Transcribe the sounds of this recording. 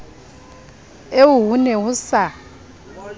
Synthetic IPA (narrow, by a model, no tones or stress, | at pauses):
ewuɦunɛwusa